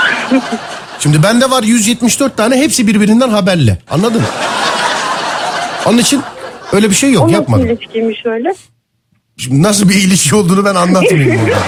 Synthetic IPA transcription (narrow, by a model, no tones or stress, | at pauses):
ʃimd̪ibænd̪ɛvaɾjyzjɛt̪miʃd̪ø̞ɾt̪ʰːaːnɛɦepsibiɾbiɾind̪ænɦabæɾlʲɛ̰a̰nlˠad̪ɯm | onunit͡ʃʰinøjlʲɛbiʃe̞jːo̞kjapmad̪fi̥cʰiɾmiʃøjlʲɛ | ʃid̪nas̬ɯlˠbiːlʲiʃʰio̞lˠd̪uːnubænanlˠat̪mjoɾa̰